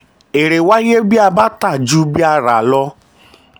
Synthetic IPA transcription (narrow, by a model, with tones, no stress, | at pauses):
e˨ɾe˨wa˦je˦bi˦a˧ba˦ta˦˨d͡ʒu˦bi˦a˧ɾa˨lɔ˧˦